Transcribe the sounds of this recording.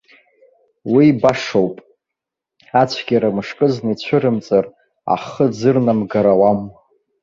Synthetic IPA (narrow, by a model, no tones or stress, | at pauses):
wibaʂowpʼ | at͡ɕʷʰɡʲaɾamɨʂkʼɨznait͡ɕʷʰʊɾɨmt͡sʼar | a̰χəd͡zɨrnamɡaɾawam